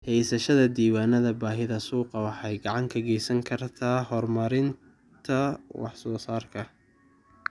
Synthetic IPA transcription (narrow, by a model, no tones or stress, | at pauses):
hɛjsɐʃɐðɐd̪iːwaːnɐðɐbaːɦɪðɐsuːqɑwɑħɑjɡɑʕɑŋkʰɐɡɛjsɐŋkʰɐrt̪ʰaːɦɔrmɐɾɪn | t̪ʰɐwɑ̰ħsɔːsaːrkʰɐ